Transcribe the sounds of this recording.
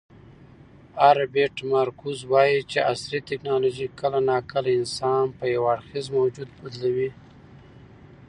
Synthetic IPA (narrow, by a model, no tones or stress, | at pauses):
aɾabeʈmaɾkuzwɑjit͡ʃeʔaslit̪ɪknɑloʒikəlanɑkəlaɪnsɑnpəjawaɽxizmawd͡ʒud̪̚bad̪lawi